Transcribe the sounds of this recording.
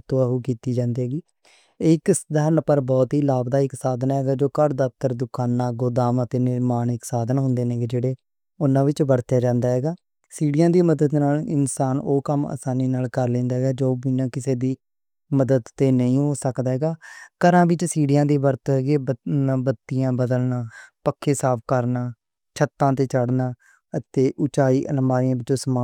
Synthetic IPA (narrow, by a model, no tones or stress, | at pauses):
t̪õːəɦuːkiːt̪iːd͡ʒãːnd̪eːɦɛːɡiː | ɪkd̪ʱəɾnpəɾbɔːt̪ɦiːlaːbd̪aːɪksaːd̪naːɦɛːɡaːd͡ʒoːkəɾd̪əp̚t̪əɾd̪ʊkaːnːaːɡʊd̪aːmət̪eːnɪɾmaːnɪksaːd̪naɦʊ̃nd̪eːnẽːɡd͡ʒeːɽeː | ʊnãːʋɪt͡ʃbəɽt̪jaːd͡ʒãːnd̪aːɦɛːɡaː | siːɽɪjãːd̪iːməd̪əd̪naːlɪ̰nsaːnoːkəma̰ːsaːniːnaːlkəɾlẽːnd̪aːɦɛɡaːd͡ʒoːbɪnãːkɪseːd̪iː | məd̪əd̪t̪eːnəĩːɦoːsəkd̪aːɦɛːɡaːkəɾãːbɪt͡ʃsiːɽɪjãːd̪iːbəɾt̪ːɡeːbəaːbət̪ːɪjãːbəd̪əlnaːpəkʰːeːsaːp̚ʰkəɾnaː | t͡ʃʰət̪ːãːt̪eːt͡ʃəɽnaː | ət̪eːʔʊt͡ʃaːiːʔənəmaːijãːʋɪt͡ʃoːsəmaː